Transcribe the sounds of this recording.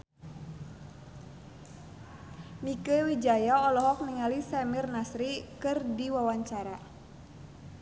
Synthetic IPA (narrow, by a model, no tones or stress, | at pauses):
mikəwid͡ʒajaɔlɔɦɔk̚niŋalisɛmirnasɾikɨrdiwawaɲt͡ʃaɾa